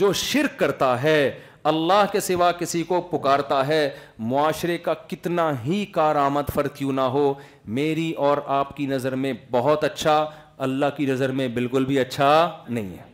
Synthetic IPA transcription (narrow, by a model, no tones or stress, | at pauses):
d͡ʒoːʃɪɾkːɐɾt̪aɦɛː | ɐlːaːɦkesɪʋakɪsikopʊkaːɾt̪aɦɛːmʊaːʃɾekakɪt̪naɦikaːɾaːməd̪fɐɾt̪jũnaɦo | meːɾiʔɔːɾaːpkinɐzəɾmẽbɐɦʊt̪ɐtːʃʰa | ɐlːaːɦkinɐzəɾmẽbɪlkʊlbʱiɐtːʃʰanɐɦḭ̃ɦɛ̰ː